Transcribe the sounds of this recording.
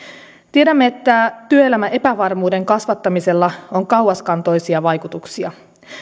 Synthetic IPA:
t̪ie̞ɾæmːeet̪ːæt̪yøelæmæʔe̞pæʋɑrmuːde̞ŋkɑsʋɑt̪ːɑmise̞lːɑoŋkɑwɑskɑnt̪o̞jsiɑʋɑjkut̪uksiɑ

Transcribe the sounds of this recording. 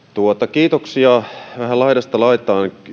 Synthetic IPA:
t̪uot̪ɑkiːt̪oksiɑʋæhælɑidɑst̪ɑlɑit̪ɑːn

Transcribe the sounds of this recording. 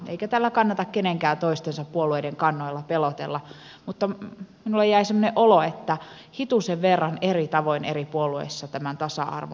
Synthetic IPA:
ʔḛijkæt̪æːlːækɑnːɑt̪ɑkkeneŋkæːnt̪oist̪ensɑppuolueideŋkɑnːoilːɑpelot̪ḛlːɑ | mut̪ːɑminulːejjæisemːoneʔʔoloet̪ːæ | hit̪useʋʋerːɑnerit̪ɑʋoinḛripuoluḛsːɑt̪æmænt̪ɑsɑ̰ɑ̰rʋo̰

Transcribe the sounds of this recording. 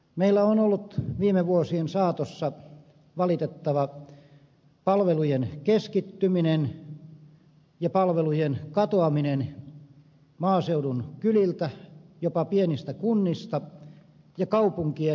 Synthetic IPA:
meilːæonolːut̪ʋiːmeʋuosiensɑːt̪osːɑ | ʋɑlit̪et̪ːɑʋɑ | pɑlʋelujenkeskit̪ːyminen | jɑpɑlʋelujenkɑt̪oɑminen | mɑːseudunkylilt̪æjopɑpienist̪ækunːist̪ɑ | jɑkɑupuŋkie

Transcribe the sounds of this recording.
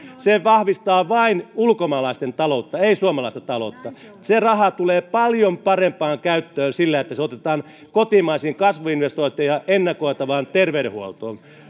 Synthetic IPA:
seʋɑhʋist̪ɑːʋɑinulkomɑːlɑˑist̪ent̪ɑlot̪ːɑeisuomɑlɑˑist̪ɑt̪ɑlo̰t̪ːɑ | serɑhɑt̪uleːpɑljompɑrempɑːŋkæyt̪ːøːnsilːæet̪ːæseot̪et̪ɑːn | kot̪imɑisiːŋkɑsʋoinʋest̪oint̪ːˑijɑʔenːɑkoit̪ɑʋɑːnt̪erʋeydḛhuolt̪o̰ːn

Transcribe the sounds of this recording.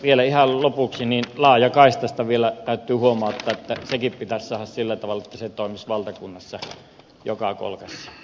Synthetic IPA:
ʋielæihɑllopuksininlɑˑːjɑkɑˑist̪ɑst̪ɑʋielæt̪æˑyt̪ːˑyːhuomˑɑˑot̪ːɑːˑʔet̪ːæsekippit̪æsʲsɑˑːhɑssilːæt̪ɑʋɑlːɑet̪ːæset̪oˑemisʋɑlt̪ɑkunːɑsːɑ | jokɑko̰lkɑsːɑ̥

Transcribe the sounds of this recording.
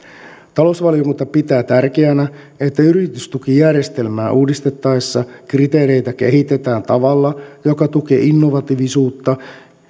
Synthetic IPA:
t̪ɑlousʋɑljokunt̪ɑpit̪æːt̪ærkeænæ | et̪ːæyɾit̪yst̪ukijærjest̪e̞lmæːʔuːdist̪et̪ːɑesːɑkrit̪e̞ːɾe̞jt̪æk̟e̞̰ɦit̪e̞t̪æːnt̪ɑʋɑlːɑjo̞kɑt̪uk̟e̞̰ːʔinːo̞ʋɑt̪iʋisuːt̪ːɑ

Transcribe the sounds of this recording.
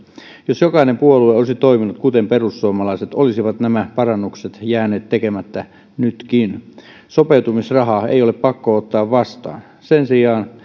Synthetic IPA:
josjokɑinempuolueoˑisit̪oiminut̪̚kut̪emperusːuomɑlɑiset̪olisiʋɑt̪næmæpɑrɑnːukset̪jæːneːt̪tekemæt̪ːæ | nyt̪kin | sopeut̪umisrɑɦɑḛijoleppɑkːoot̪ːɑːʋʋɑst̪ɑ̰ːn | sensiɑːn

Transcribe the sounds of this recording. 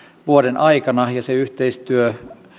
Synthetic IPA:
ʋuodenʔɑikɑnɑjɑseyht̪eist̪yø

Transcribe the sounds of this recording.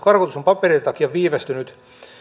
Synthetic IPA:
kɑrkot̪usompɑperit̪ɑkijɑʋʋiːʋest̪ynyt̪

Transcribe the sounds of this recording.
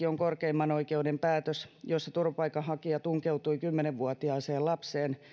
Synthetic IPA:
ioŋkorkeimːɑnoikeudempæːt̪øsjosːet̪urʋɑpɑikɑhɑkiɑt̪uŋkeut̪uikymːeneʋʋuɑt̪iɑːseːlɑpseːn

